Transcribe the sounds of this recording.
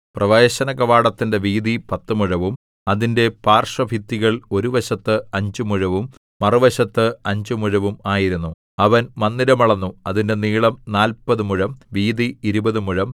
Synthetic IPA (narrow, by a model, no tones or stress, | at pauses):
prɐʋeːɕɐnɐɣɐʋaːɽɐt̪ːinde̞ʋiːd̪ipɐt̪ːumuɻɐʋum | ɐðinde̞paːrʂɐbʱit̪ːiɣɐɭo̞ɾuʋɐɕɐt̪ːɨɐɲd͡ʑumuɻɐʋum | mɐrɨʋɐɕɐt̪ːɨɐɲd͡ʑumuɻɐʋumaːjiɾunːu | ɐʋɐnmɐnːiɾɐmɐɭɐnːuɐðinde̞niːɭɐmnaːlpɐðɨmuɻɐmʋiːðiiɾubɐðumuɻɐm